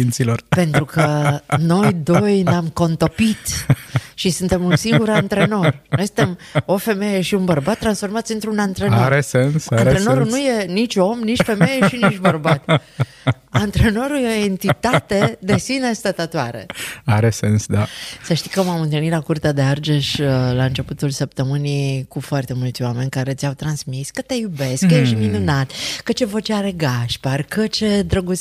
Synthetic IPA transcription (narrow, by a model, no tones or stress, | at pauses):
int̪silorpe̞nt̪ɾukəno̞jd̪o̞jneamko̞nt̪o̞pit̪ʃisunt̪e̞munsiŋɡuɾant̪ɾe̞no̞rnojsɨnt̪e̞mo̞fe̞me̞je̞ʃiunbərbat̪ːɾansfo̞rmat̪sɨnt̪ɾunant̪ɾe̞noaɾesensaɾeno̞ɾunuje̞nit͡ʃʲo̞mnit͡ʃfe̞me̞jeʃinit͡ʃbərbat̪ | ant̪ɾeno̞ɾujeoent̪it̪at̪e̞d̪esinest̪at̪at̪oaɾḛaɾesensd̪asəʃt̪i̥kəmamɨnt̪ɨlnilakurt̪ead̪e̞ard͡ʒeʃlaɨnt͡ʃe̞put̪ulsəp̚t̪əmɨnijkufoart̪e̞mult̪sʲoame̞nʲkaɾe̞t̪sʲawt̪ɾansmiskət̪e̞jube̞skkːəjeʃiminunat̪kət͡ʃe̞vot͡ʃeaɾe̞ɡaʃparkət͡ʃe̞d̪ɾəɡu